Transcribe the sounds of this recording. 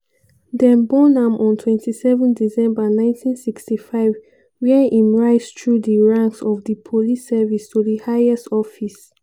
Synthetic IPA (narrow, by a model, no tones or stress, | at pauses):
dɛ̃nbɔnãmʔɔ̃ntʰwɛ̃ntʰisɛvə̃ndisɛ̃mbənãɪ̃ntʰĩnsikstifaɪv | wɛʔĩmɹaɪstɹudiɹãŋksɔfdipʰolisɛvistuðihaɪɛstɔfis